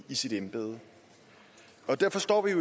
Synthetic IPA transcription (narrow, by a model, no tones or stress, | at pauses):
isid̥enb̥e̝̰ːð̞̩ˠ | ɒ̽d̥æɐ̰fɒ̽sd̥ɒ̰ːʋijo̝